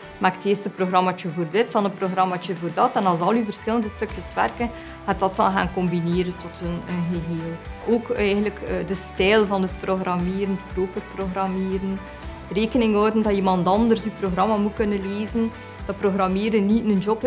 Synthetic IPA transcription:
maːkteːrstəproɣrɑmaːt͡ʃəvoːrdɪt̚dɑnətproɣrɑmaːt͡ʃəvoːrdɑtɛnɑlˠzɑlˠyvərsxɪləndəstɵkjəsʋɛ̰rkən | hɛd̥ɑtɑnɣa̰ːnkɔmbineːɾəntɔtənəɣəɦeːlˠoːkɛjɣənləkːdəstɛjlˠvɑnət̚proɣrʔɑmeːɾənəproːpərproɣrɑmeːɾən | reːkənɪŋɦɔwdəndɑimɑndɑndərsyproɣrɑmamukɵnənleːzən | d̥ɑproɣrɑmeːɾənnitnənd͡ʒɔp

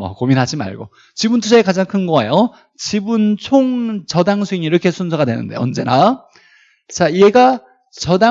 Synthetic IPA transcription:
ʌ̰kominɦad͡ʑima̰ɭɡo̰ | t͡ɕibuntʰusʰaekad͡ʑaŋkʰɯnɡoajo | t͡ɕibunt͡ɕʰoŋt͡ɕʌdaŋsʰuiniɾʌkʰe̞sʰunsʰʌɡadwe̞nɯ̰nde̞̰ʌ̰nd͡ʑe̞na | t͡ɕaie̞ɡa | t͡ɕʌda

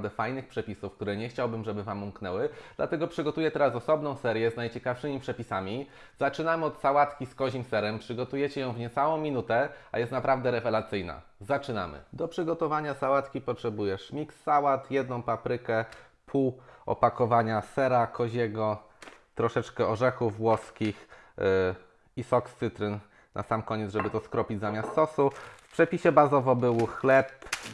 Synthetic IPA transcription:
d̪ɛfajnɘxpʂɛpʲisufkt̪uɾɛɲɛxt͡ɕawbɘmʐɛbɘvamumknɛwɘd̪̥la̰t̪ɛɡɔpʂɘɡɔt̪ujɛt̪ɛɾasɔsɔbn̪ɔ̃w̃sɛɾʲjɛznajt͡ɕɛkafʂɘmʲipʂɛpʲisamʲi | zat͡ʂɘnamɘɔt̪sawat̪kʲiskɔʑimsɛɾɛmpʂɘɡɔt̪ujɛt͡ɕɛjɔ̃w̃vɲɛt̪sawɔ̃w̃mʲinut̪ɛa̰jɛst̪napɾavd̪ɛɾɛvɛlat̪sɘjna̰zat͡ʂɘna̰mɘ̰d̪ɔpʂɘɡɔt̪ɔvaɲasawat̪kʲipɔtʂɛbujɛʂmʲiksːawat̪jɛd̪nɔ̃w̃papɾɘkɛ | pʰuɔ̰pakɔvaɲasɛɾakʰɔʑɛɡɔ | t̪ɾɔʂɛt͡ʂkɛɔʐɛxuvːwɔskʲix | isɔkst̪sɘt̪ɾɘn | nʔa̰samkɔɲɛd̪zʐɛbɘt̪ɔskɾɔpʲid͡ʑzamʲast̪sɔsufpʂɛpʲiɕɛbazɔvɔbɘwxlɛp

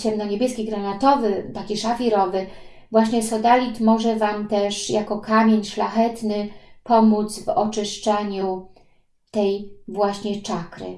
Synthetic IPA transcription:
t͡ɕɛmnɔɲebʲjɛskʲiɡɾanat̪ɔvɘt̪akʲiʂafʲiɾɔvɘ | vwaɕɲɛsɔd̪alʲit̪mɔʐɛvamt̪ɛʂjakɔkamʲjeɲʂlaxɛt̪nɘpɔmut̪zvɔt͡ʂɘʂt͡ʂɛɲu | t̪ɛjvwaɕɲɛt͡ʂakɾɘ̰

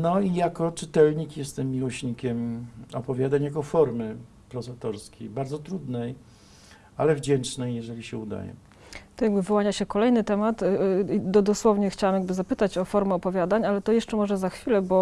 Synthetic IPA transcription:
nɔijakɔt͡ʂɘt̪ɛlɲikjɛst̪ɛmːʲiwɔɕɲikʲɛmɔpɔvʲjad̪aɲjakɔfɔɾmɘ | pɾɔzat̪ɔɾskʲejbaɾd̪zɔt̪ɾud̪nɛj | alɛvd͡ʑɛnt͡ʂnɛjːɛʐɛlʲiɕɛud̪a̰jɛ̰ | t̪ɔjaɡbɘvɨwaɲaɕɛkɔlɛjnɘt̪ɛmat̪d̪ɔd̪ɔswɔvɲɛxt͡ɕawamjaɡ̚bɘzapɘt̪at͡ɕɔfɔɾmɛɔpɔvʲjad̪aɲalɛt̪ɔjɛʂt͡ʂɛmɔʐɛzaxfʲilɛbɔ

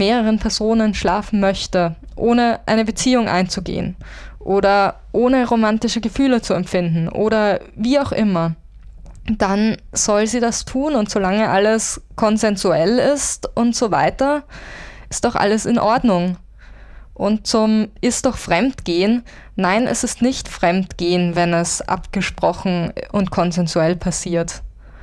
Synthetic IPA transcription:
meːʁəʁ̞ənpʰɛɐzoːnənʃlaːfn̩mœçtə | ʔoːnəʔaɪnəbət͡siːʊŋʔa̰ɪnt͡suɡḛːənʔoːɾɐ | ʔoːnəʁomantɪʃəɡəfyːlət͡suɛmfɪndn̩ʔo̰ːɾɐviːaʊxʔɪmɐ | d̥anz̥ɔlziːdastʰuːnʊntz̥olaŋəʔaləskʰɔnzɛnzuɛlɪstʔʊntz̥oːva̰ɪtɐ | ʔɪstd̥ɔχʔa̰ləsɪnʔɔɐdnʊŋ | ʔʊnt̚t͡sʊmʔɪst̚d̥ɔχfʁ̥ɛmtɡ̥eːən | nːaɪnɛ̰sɪstnɪçtfʁ̥ɛmtɡ̥eːənvɛnɛsʔa̰pɡ̥əʃpʁ̥ɔxn̩ʊntkʰɔnzɛnzuɛlpʰasiːɐt

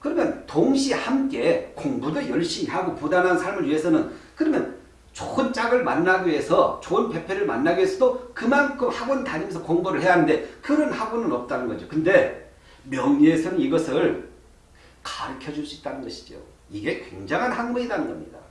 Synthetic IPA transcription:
kɯɾʌmjʌntoŋɕʰihamk͈e̞koŋbudojʌɭɕ͈imiɦaɡopudanɦansʰaɭmɯɭɥiɦe̞sʰʌnɯnkɯɾʌmjʌ̰n | t͡ɕʰohɯnt͡ɕ͈aɡɯɭmanːaɡie̞sʰʌt͡ɕonpʰe̞pʰe̞ɾɯɭma̰nːaɡɥesʰʌdokɯmankʰɯmhaɡonɯtaɲimensʰʌkoŋbuɾɯɭhɦejaɦanɯnde̞kɯɾʌnhaɡonɯnʌp̚t͈anɯnɡʌd͡ʑokɯnde̞ | mjʌŋɲiesʰʌnɯniɡʌsʰɯɭ | kḁɾɯkʰjʌd͡ʑuɭs͈uit͈̚anɯnɡʌɕʰi̥d͡ʑo̰ | iɡe̞kwe̞̰ŋd͡ʑaŋɦanhaŋmuidanɯnɡʌ̰mɲḭda

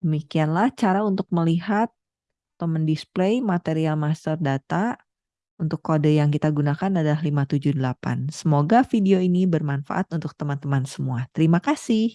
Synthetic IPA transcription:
d̥əmikianlaht͡ʃaɾaunt̪ʊk̚məliɦat̪ː | əməndisplejmat̪eɾialmast̪ərdat̪a | unt̪ʊkːodəjaŋkit̪aɡunakanadalahlimat̪ud͡ʒuhdəlapa̰nsəmoɡafideoinibərmanfa̰ʔat̪unt̪ʊk̚t̪əmant̪əmansəmuat̪əɾimakasɪh

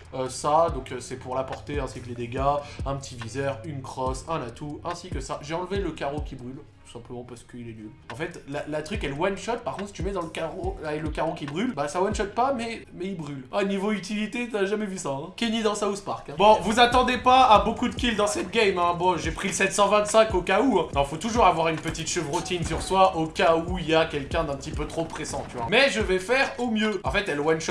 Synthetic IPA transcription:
øsad̪ɔ̃køsɛpuʁlapɔʁt̪eɛ̃sikled̪eɡaɛ̃pət̪ʰivizɛʁynkχɔsɛ̃nat̪ʰuɛ̃sikʲəsaʒeɑ̃lveləkaʁokʲibʁyltt̪u̥sɛ̃pləmɑ̃paʁsə̥kəilɛnyl | ɑ̃fɛt̪lalat̪χykɛlwanʃɔt̪̚paʁkɔ̃t̪sit̪ymɛd̪ɑ̃ləkaʁoaɛkləkaʁokʲibʁylbasawanʃɔt̪̚pamɛmɛibʁylanivoyt̪ilit̪et̪yaʒamɛvysaɛ̃kʲenid̪ɑ̃sauspaʁkɛ̃bɔ̃vuzat̪ɑ̃d̪epaːbokud̪əkʲild̪ɑ̃sɛt̪̚ɡʲɛjmɛ̃bɔ̃ʒepχiləsɛt̪sɑ̃vɛ̃t̪sɛ̃kokauɛ̃nɔ̃fot̪uʒuʁavwaʁynpət̪it̪ʃəvʁut̪insyʁswaʔokauiljakʲɛlkʲɛ̃d̪ɛ̃pət̪ipøt̪χopχesɑ̃t̪yvwa̰mɛʒəvɛfɛʁomjøɑ̃fɛt̪ɛlwanʃɔt̪

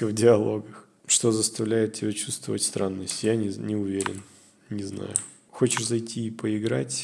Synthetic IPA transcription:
əvdʲɪɐlˠo̞ɡəx | ʂt̪o̞zəst̪ɐvlʲæjɪt̪̚tʲːɪbʲat͡ɕust̪vəvətʲst̪ɾʔanːəsʲtʲjanʲɪnʲɪʊvʲeɾʲɪ̰n | nʲɪzna̰jʊ | xo̞t͡ɕɪʂzɐjtʲiːpəɪɡɾa̰tʲ

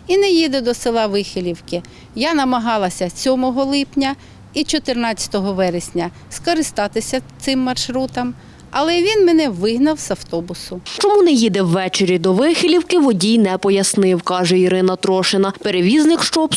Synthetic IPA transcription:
inɛjid̪ɛd̪ɔsɪlˠɑʋɪxɪlʲiwkɪ | janɐmɐɦɑlˠɐsʲɐsʲɔmɔɦɔlˠɪpnʲɐ | it͡ʃɔt̪ɪrnɑtt͡sʲɐ̥t̪ɔɦɔʋɛɾesʲnʲɐ | skɔɾɪst̪ɑt̪ɪsʲɐt̪sɪmːɐrʃɾut̪ɐm | ɐlˠɛʋʲinmenɛʋɪɦnɐwzɐwt̪ɔbʊsʊt͡ʃɔmunɛjid̪ɛwːɛt͡ʃeɾʲid̪ɔʋɪxɪlʲiwkɪʋɔdʲijnɛpɔjɐsnɪwkɑʒɛiɾɪnɐt̪ɾɔʃɪnɐpeɾeʋʲiznɪkʃt͡ʃɔp

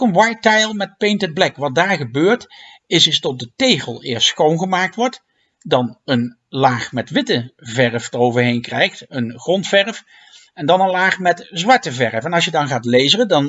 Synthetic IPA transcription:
kɔnwɑjtɛjlˠmɛt̚pejntədblɛkʋɑt̚daːɹχəbøːɹt | ɪsɪstɔt̚dətejχəlˠɪ̰ːɹstsχownχəmaːk̚tʋɔɹt | dɑnən | laːχmɛtʋɪtəvɛrfdərowvəɹɦejnkrɛjχtənχrɔntfɛrf | ɛndɑnənlaːχmɛtzʋɑɹtəvɛɹfɛnɑlˠs̬jədɑnχaːtlejzərədɑn

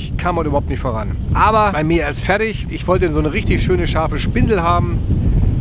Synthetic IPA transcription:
çkʰaːmhɔtyːbɐhʊp̚tnɪçtfoːʁan | ʔaːbɐb̥aɪmiːɐɛstfɛɐtɪçʔɪçv̥ɔltəzoːnəʁɪçtɪçʃøːnəʃaɐfəʃpɪndl̩ɦaːbm̩

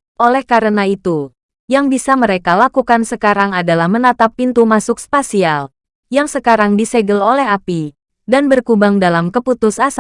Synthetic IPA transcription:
ʔolɛhkaɾənait̪u | jaŋbisaməɾekalakukansəkaɾaŋadalahmənat̪apːint̪umasʊkspasial | jaŋsəkaɾaŋdisɛɡəlolɛɦapi | danbərkubaŋdalamkəput̪ʊsas

